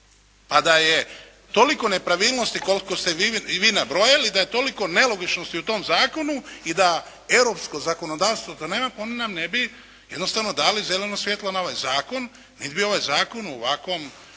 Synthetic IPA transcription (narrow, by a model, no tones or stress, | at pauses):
pad̪aje̞ | t̪o̞liko̞ne̞pɾaʋiːlˠno̞st̪iko̞lkost̪eʋiʋiːnabɾojalid̪ajet̪o̞liko̞ne̞lo̞ɡit͡ʃnost̪iut̪o̞ːmzaːko̞nuid̪a | e̞wɾo̞ːpsko̞zako̞no̞d̪aːʋst̪ʋot̪oneːmapaonenamnebi | jed̪no̞st̪aʋno̞d̪aːlize̞le̞nosʋjet̪lˠanao̞ʋajzaːko̞nː | id̪bio̞ʋajzaːko̞nṵʋakʋo̞m